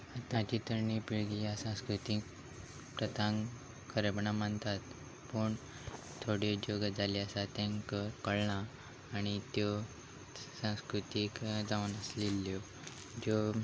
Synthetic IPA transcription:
ət̪ãt͡ɕit̪əɾnipiɭɡijasãskɾut̪ik | pɾət̪ʰãŋ | kəɾebɳamənt̪at̪ | pəɳ | t̪ʰoɽed͡ʑoɡəd͡zaliasat̪ãŋkəkəɽɳaː | ɽ̃it̪jo | sãw̃skɾut̪ikd͡zaʋunəslilːjɔ | d͡ʑo

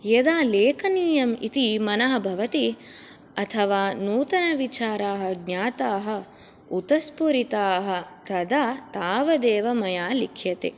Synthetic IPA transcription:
jɐd̪aːleːkɐniːjɐmḭt̪imɐnɐɦɐ̆bʱɐʋɐt̪i | ɐt̪ʰɐʋaːnuːt̪ɐnɐʋit͡ʃaːɾaːɦɐ̆ɡɲaːt̪aːɦɐ̆ | ut̪ɐspuɾit̪aːɦɐ̆t̪ɐd̪aːt̪aːʋɐd̪eːʋɐmɐjaːlikʰjɐt̪ḛ

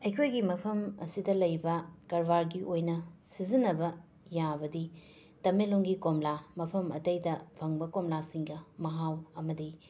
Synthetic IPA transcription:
ɐjkʰojɡimɐpʰɐmɐ̰sidɐlɐjbɐkɐɾbaɾɡiʔojnɐsizinːɐbɐ | jabɐdi | tɐmeloŋɡikomlamɐpʰɐmɐ̰tɐjdɐpʰɐŋbɐkomlasiŋɡɐmɐɦawɐmɐdi

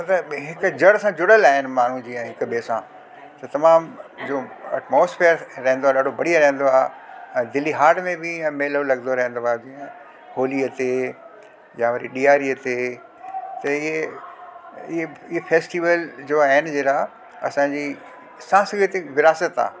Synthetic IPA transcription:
ɐt̪ɐɦɪkd͡ʑɐɽsãd͡ʑʊɽəlaːɦɪnmaːn̤ũd͡ʑiːɛ̃ːɦɪkbeːsã̰ː | t̪ɐt̪ɐmaːmd͡ʑoːɐ̰ʈmoːsfʰeːɾɾɐɦɪ̃nd̪oaːɗaːɖʱobɐɽijəɾɐ̃ɦə̃nd̪oaːɛ̃ːd̪ɪlːiɦaːɾɖmẽbɪɛ̃ːmeːlolɐɡnd̪oɾɐɦẽnd̪oaːd͡ʑiːə̃ | hoːliət̪e | jaʋɐɾiɗiːaːɾiət̪e | t̪ɐɪɦe | ɪɦeɪɦefʰeːsʈiʋəld͡ʑoːaːɦɪnɪ̆d͡ʑeːɾa | ɐsãːd͡ʑiː | sãːsɡit̪eʋɪɾaːsət̪a̰ː

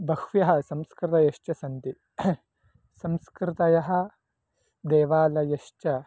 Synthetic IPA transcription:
bɐhʋjɐɦɐsɐmskɾɪt̪ɐjɐʃt͡ʃɐsɐnt̪i | sɐmskɾɪt̪ɐjɐɦɐ̆ | d̪eːʋaːlɐjɐʃt͡ʃɐ

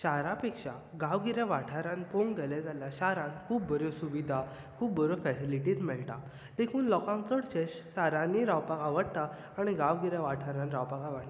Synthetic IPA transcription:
ɕaɾapekʂa̰ | ɡaʋɡiɾjaʋaʈʰaɾãnpoŋɡd̪elɛd͡zaljaɕaɾãnkʰuːpbəɾjosuʋid̪ʱa | kʰuːbbəɾofɛsiliʈiːd͡zmɛɭʈa̰ | d̪ekʰuːnlɔkãŋt͡səɽt͡ɕeɕɕaɾãnːiɾawpakaʋəɽt̪aː | ɽ̃iɡaʋɡiɾjaʋaʈʰaɾãnɾawpakaʋəɽla

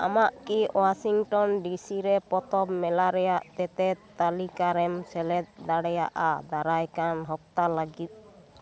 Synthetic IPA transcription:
a̰maʔkiwasiŋʈɔnɖisiɾɛpɔt̪ɔpmɛlaɾɛjaʔt̪ɛt̪ɛt̪ːalikaɾɛmsɛlɛt̪̚d̪aɽɛja̰ʔad̪aɾajkanɦɔp̚t̪alaɡit̪̚

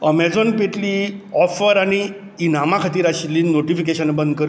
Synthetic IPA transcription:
əmɛd͡zɔnpeʈliːɔfəɾaɽ̃iː | namakʰat̪iːɾaɕliːnːoʈifikeɕənbənd̪̚kəɾ

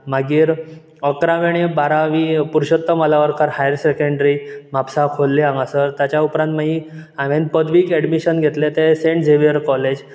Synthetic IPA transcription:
m̤aɡiːɾ | əkɾaʋeɽ̃ibaɾaʋipuɾɕət̪ːəməlaʋəɾkʰaɾhajɾsekəɳɖɾim̤apsakʰolːiãŋɡasəɾt̪jat͡ɕjaupɾãnt̪maɦiaʋenpəd̪ʋiːkɛɽmiɕənɡʱet̪let̪esẽɳʈd͡zeʋiəɾkɔled͡ʑ

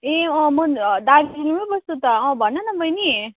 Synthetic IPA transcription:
eʌ̃mʌd̪aɾiinimʌbʌst̪ut̪ʌʌ̃bʱʌnːʌnʌbʱʌjni

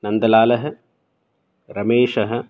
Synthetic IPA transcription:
nɐnd̪ɐlaːlɐɦɐ̆ | ɾɐmeːʂɐɦɐ̆

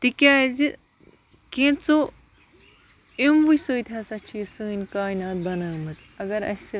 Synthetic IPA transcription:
t̪ikʲaːjzi | kẽːt͡so | emʋusɨːt̪ʰʲɐsɐt͡ʃʰiːsəːnʲkaːjnaːt̪̚bɐnaːmɐt͡sɐɡɐɾɐ̰si

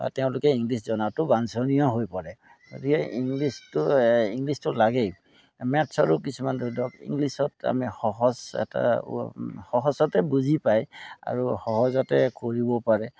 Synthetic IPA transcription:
ba̰tɛʊ̃lʊkɛiŋɡliszɔnatʊbansɔnijɔɦojpɔɹɛ | ɡo̰dikɛʔiŋɡlistʊiŋɡlistʊlaɡej | mɛtsɔɹukisumandudɔkḭŋɡlisɔta̰mixɔɦɔzɛ̰ta̰ | hɔɦɔsɔtɛbuzʱipaja̰ɹuxɔɦɔzɔtɛkoɹibɔpaɹɛ

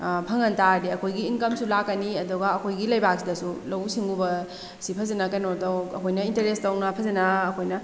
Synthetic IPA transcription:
pʰɐŋɐntadiɐkʰojɡiːnkɐmsulakːɐniɐdɔɡaːkʰojɡilɐjbak̚sidɐsulɐwsiŋɡubɐ | sipʰɐzenakɐjnotowkɐkʰojnɐinteɾestɐwnɐpʰɐzenaːkʰojnɐ

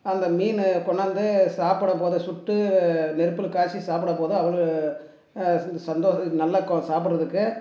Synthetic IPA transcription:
ɐnd̪ɐmiːnkɔɳɐnd̪ɯsaːpɪɽɐpoːðɯsʊʈːɯnɛɾɯpːɯlkaːɾt͡ʃːisaːpɯɽɐpoːðɯɐʋɐɭɯ | sɐnd̪oːɐnɐlːɐkːõsaːpɪʈɾɐðɯkːɯ

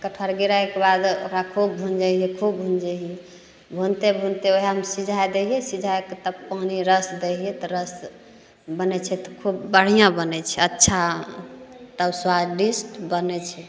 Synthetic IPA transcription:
kəʈʰəɾɡiɾaɛkebad̪oɾakʰub̚bʱund͡ʒaɛkʰubbʱund͡ʒeɦie | bʱunt̪ebʱunt̪eoɦimsid͡ʒʱajd̪eɦijɛsid͡ʒʱaeket̪əbpəɦniɾəsd̪eɦijɛt̪ɔɾəs | bənɛt͡ʃʰɛt̪ɔ̥kʰubːəɽ̤ijãbənɛt͡ʃʰɛətːʃʰa | t̪əbswad͡ʒɖisʈbənɛt͡ʃʰɛ

